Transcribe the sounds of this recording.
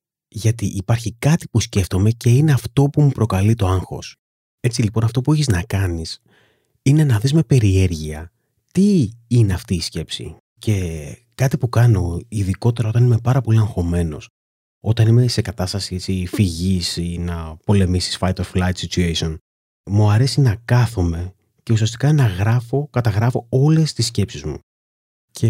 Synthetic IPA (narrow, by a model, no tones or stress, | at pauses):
ʝɐt̪iʔipɐɾçikɐt̪i̥pusce̞ft̪o̞me̞ce̞ine̞ɐft̪o̞pumupɾo̞kɐlit̪o̞ɐŋxo̞̰s | e̞t͡silipo̞nɐft̪o̞pueçiznɐkɐnis | ine̞nɐðizme̞pe̞ɾie̞ɾʝiɐ | t̪iineɐft̪iːsce̞psḭ | ce̞ | kɐt̪ipukɐno̞iðiko̞t̪e̞ɾɐo̞t̪ɐnime̞pɐɾɐpo̞liɐŋxo̞me̞no̞̰s | o̞t̪ɐnime̞se̞kɐt̪ɐst̪ɐsiet͡sifiʝisinɐpo̞le̞misi̥sfɐjt̪oflɐjt̪sit͡ʃuesio̞n | muɐɾe̞sinɐkɐθume̞ | ce̞usiɐst̪i̥kɐnɐɣɾɐfo̞kɐt̪ɐɣɾɐfo̞o̞le̞st̪isce̞psizmṵ | cʰe̞